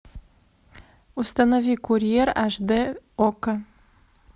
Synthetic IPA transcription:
ust̪anovikʰurijeɾaʒd̪eokə

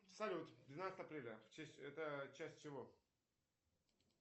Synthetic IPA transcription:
fsɐlʲut̪ʲvd̪vʲɪnat̪st̪əɐpɾʲelʲəft͡ɕesʲɛt̪ət͡ɕæsʲt̚ʲt͡ɕɪvo

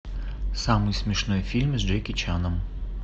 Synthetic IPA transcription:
samɨjsmʲɪʂnojfʲilʲmɨzd͡ʒɛjkʲɪt͡ɕanəm

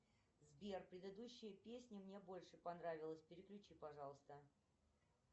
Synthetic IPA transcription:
zbʲerpɾʲɪd̪əd̪uɕːɪjəpʲesʲnʲɪmnʲe̞bo̞lʲʂɨpɐnɾavʲɪlˠəsʲpʲɪɾʲɪklʲʉt͡ɕipɐʐɑlˠəst̪ə

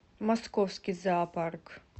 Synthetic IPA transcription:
maskɔwskʲizaːpaɾk

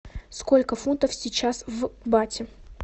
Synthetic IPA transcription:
skolʲkəfunt̪əfsʲɪt͡ɕasvbatʲɪ

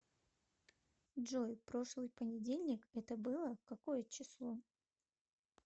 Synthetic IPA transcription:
dʐojpɾo̞ʂlˠɨjpənʲɪdʲelʲnʲɪkɛt̪əbɨlˠəkɐko̞jət͡ɕɪslˠo̞

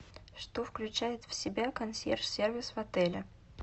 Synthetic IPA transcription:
ʂt̪ofklʲʉt͡ɕæjɪt̪fsʲɪbʲakɐnsʲḛrfsʲervʲɪsvɐt̪ɛlʲɪ

